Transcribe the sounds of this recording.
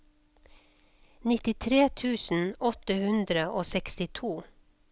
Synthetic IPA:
nɪt̪ɪt̪ʰɾeːt̪ʰʉːsn̩ɔt̪əhʉnd̪ɾəʔoːsɛkst̪ɪt̪ʰuː

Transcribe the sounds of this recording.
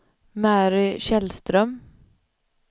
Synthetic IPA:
mæːɾɪʃɛlst̪ɾœm

